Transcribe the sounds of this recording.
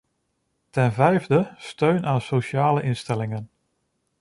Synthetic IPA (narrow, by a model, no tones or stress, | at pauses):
tɛnvɛjvdəstøɥnaːnsowʃaːləʔɪnstɛlɪŋən